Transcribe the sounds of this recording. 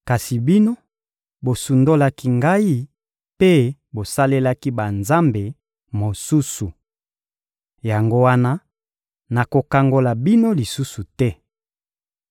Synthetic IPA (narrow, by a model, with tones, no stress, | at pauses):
ka˨si˨bi˦no˦ | bo˨su˨ndo˦la˦ki˦ŋɡa˦i˦ | pe˦bo˨sa˦le˦la˦ki˦ba˨nza˦mbe˨ | mo˨su˦su˨ | ja˨ŋɡo˦wa˦na˦ | na˨ko˨ka˨ŋɡo˨la˨bi˦no˦li˨su˦su˨tɛ˦